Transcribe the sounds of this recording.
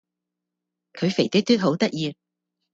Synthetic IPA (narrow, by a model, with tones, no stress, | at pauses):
kʰɵ˨˧ɥfe˨˩jt̪ɪ˥t̪yː˥t̚ɦo˨˥wt̪ɐ˥k̚jiː˧